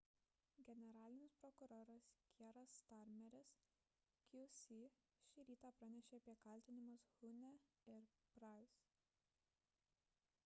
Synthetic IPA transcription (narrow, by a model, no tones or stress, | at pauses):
ɡʲɛnʲɛɾɑːlʲɪnʲɪspɾɔkʊɾoːɾɐskʲiɾɐst̪ɑɾʲmʲɛɾʲɪs | kʲusʲi | ʃʲɪɾʲiːt̪ɑːpɾɐnʲɛʃʲeːɐpʲiɛkɐlʲt̪ʲɪnʲɪmɐshʊnʲɛɪɾpɾɑˑɪs